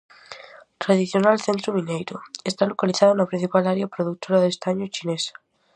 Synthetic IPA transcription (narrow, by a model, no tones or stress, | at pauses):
t̪ɾaðiθjonalθẽnt̪ɾomĩnejɾoest̪alokaliθaðonapɾin̟θipalaɾjapɾoðuk̚t̪ʰoɾaðest̪aɲot͡ʃinesḁ